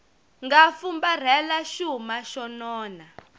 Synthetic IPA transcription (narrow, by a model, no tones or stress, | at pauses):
ŋɡafumbar̤ɛlaʃumaʃɔnɔːna